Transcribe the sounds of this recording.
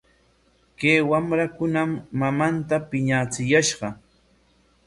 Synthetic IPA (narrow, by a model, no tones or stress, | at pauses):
kejwamɾakʊnamːamant̪apɪɲat͡sɪjaʃɢɑ